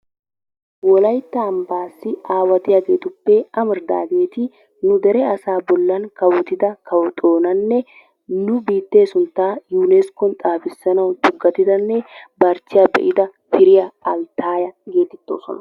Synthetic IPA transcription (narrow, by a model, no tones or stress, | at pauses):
wɔlɐjt̪ːɐːmbaːsːɪʔaːwɐt̪ɪjaɡeːt̪ʊpːɛʔɐmɪɾd̪a̰ːɡeːt̪ɪ | nʊd̪ɛɾɛɐsaːbɔlːɐnkɐwɔt̪ɪd̪ɐkɐwɔt̪ʼo̞ːnɐnːɛ | nʊbiːt̪ːeːsʊnt̪ːaːjuːnɛskɔnt̪ʼaːfɪsːɐnɐwd̪ʊɡːɐt̪ɪd̪ɐnːɛbɐɾt͡ʃːɪjɐbɛ̰ʔɪd̪ɐ | fɪɾɪjɐɐlt̪aːjɐɡe̞ːt̪ɛt̪ːo̞ːsɔ̰nɐ̥